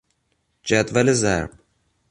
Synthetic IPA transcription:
d͡ʒad̪valezæ̰ɾb̚

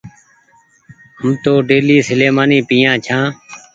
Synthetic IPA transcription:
ɦəmt̪oːɖeːliːsəleːmaːniːpiːjãːt͡ʃʰãː

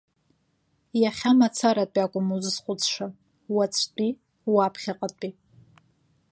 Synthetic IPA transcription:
jaχʲamat͡sʰaɾatʼakʷʼʊmuzɨsχʷʊt͡sʰʼʂa | wat͡sʷʰtʷʼi | wapʰχʲaqʼatʼi

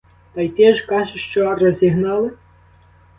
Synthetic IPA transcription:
t̪ɑjt̪ʲɛʒkɑʒɪʃt͡ʃɔrɔzʲiɦnɑlˠɪ

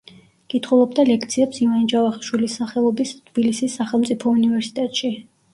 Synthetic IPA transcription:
kʼit̪ʰχulˠɔb̚d̪alɛk̚ʰt̪sʰiɛpsivanid͡ʒavaχiʃwilisːaχɛlˠɔbist̪ʰb̥ilisisːaχɛlˠmt̪sʼipʰɔunivɛɾsi̥t̪ʼɛt̪ʼʃi

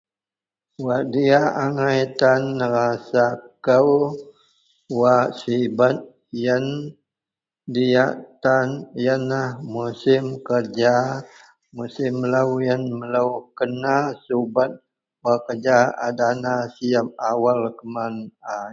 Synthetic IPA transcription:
waʔdiaʔaŋajt̪anːəɾasakəw | waʔsibat̪̚ | jən | diaʔt̪anjənahmusɪmkərd͡ʒa | musɪmːələwjənmələwkənasubat̪̚ | wakərd͡ʒaadanasijap̚awalkəmana

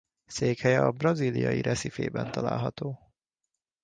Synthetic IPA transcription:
seːkhɛjɛɒbrɒziːlijɒjiɾʔɛsifḛːbɛnt̪ɒla̰ːlɦɒt̪oː

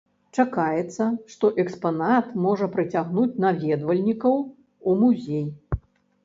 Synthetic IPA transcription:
t͡ʂakajɛt̪sːɐʂt̪ɔʔɛkspanat̪mɔʐɐpɾɨt͡sʲaɣnut͡sʲnavʲɛd̪vɐlʲnʲikɐw | umuzʲej

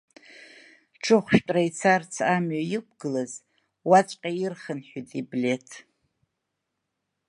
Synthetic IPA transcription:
ʈ͡ʂʰɨχʷʃtʼrait͡sʰart͡sʰamɥajɪk̚ʷʰɡɨlaz | wat͡ʃʷʼqʲʼairχənħᶣutʼiblʲe̞tʰ

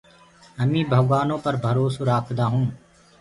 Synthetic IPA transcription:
əmĩːbʱəɡɠwaːnõːpəɾbʱəɾoːsoːɾaːkʰd̪aːɦũː

